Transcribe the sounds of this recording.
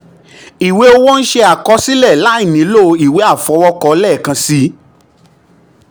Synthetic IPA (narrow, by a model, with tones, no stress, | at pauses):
i˨we˨˦o˧wɔ˦n̩˦ʃe˧a˨kɔ˨˧˦si˦lɛ˦˨la˨˦i˦˨nĩ˨˦lo˦˧i˨we˨˦a˦˨fɔ˨˦wɔ˧kɔ˧˦lɛ˦˨kã˧si˦